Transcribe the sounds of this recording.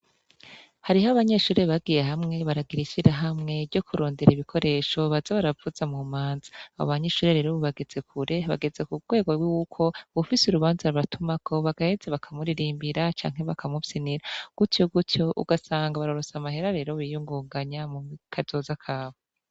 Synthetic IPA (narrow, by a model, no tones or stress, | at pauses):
haɾihaβaɲe̞ʃuːɾeβaɡije̞ɦamŋe̞βaɾaɡiɾiʃiɾaɦamŋe̞ɾɟo̞kʰuɾo̞ːnde̞ɾiβikʰo̞ɾe̞ːʃo̞βazaβaɾavuz̥amumaːnzḁa̰βo̰βaɲe̞ʃuːɾeɾeɾoβuβaɡe̞z̥e̞kʰuɾe̞βa̰ɡe̞ze̞kuɡwe̞ːɡo̞wiukʰo̞βufisuɾuβaːnzaɾɾatumakʰo̞βaɡahezeβakʰamuɾiɾiːmbiɾat͡ʃa̰ːŋ̥ɦe̞βakʰamupsiniɾaɡ̥utjoɡutjo̞ʔṵɡasaːŋɡaβaɾo̞ɾo̞samaɦe̞ɾaɾe̞ːɾo̞βijuŋɡuːŋɡaɲamuikʰazo̞ːzakʰaːβo